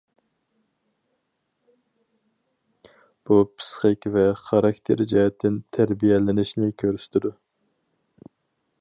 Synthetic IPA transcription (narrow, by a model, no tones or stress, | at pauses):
b̥upʰɨ̥sχəkʲvɛχɑɾɑkt̪ʰeɾd͡ʒɑjɛt̪ʰːɪnt̪ʰæɾbijɛlɪnɪʃnɪkʲʰøɾyst̪ʰɪd̪u